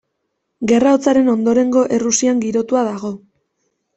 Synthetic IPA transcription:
ɡe̞raot͡saɾe̞no̞nd̪o̞ɾe̞ŋɡo̞ʔerusiaŋɡiɾo̞t̪uaðaɣo̞

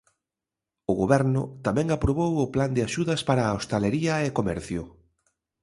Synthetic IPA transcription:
ʊɣoβɛɾnʊt̪amɛ̃ŋapɾoβowʊpland̪eɪaʃuðɐspaɾaːost̪aleɾiɐekomɛɾθjʊ

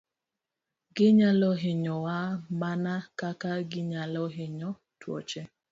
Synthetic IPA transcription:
ɡɪɲalɔɦɪɲɔwamanakakaɡɪɲalɔɦɪɲɔ | twɔ̰t͡ʃe

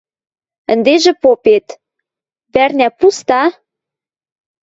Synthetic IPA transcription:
ə̆nd̪eʒĕpopet̪ | βærnʲæpust̪ɑ

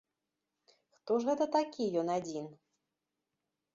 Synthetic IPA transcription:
xt̪ɔʐɣɛt̪ɐt̪akʲijɔnad͡zʲin

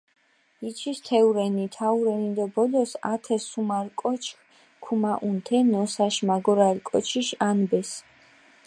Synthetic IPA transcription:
it͡ʃʰist̪ʰɛuɾɛnit̪ʰauɾɛnid̪abɔlɔsa̰t̪ʰɛsumaɾkʼɔt͡ʃʰkʰ | kʰumaʔunt̪ʰɛnɔsaʃmaɡɔɾalkʼɔt͡ʃʰiʃanbɛs

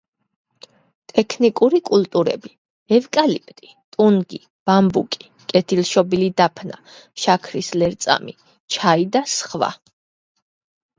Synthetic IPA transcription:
t̪ʼɛkʰnikʼuɾikʼult̪ʼuɾɛ̰bi | ɛvkʼalipʼt̪ʼi | t̪ʼunɡi | b̥ambukʼi̥ | kʼɛt̪ʰilʃɔbilid̪apʰna̰ | ʃakʰɾislɛɾt̪sʼa̰mi | t͡ʃʰaid̪asχva̰

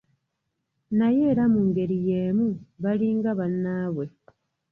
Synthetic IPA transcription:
najeːɾamuŋɡe̞ɾijeːmuβaliːŋɡaβanːaːβwe̞

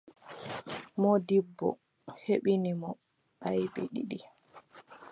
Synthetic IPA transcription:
mɔdibːɔ̰ | heɓinimɔ | ʔajbiɗḭɗi

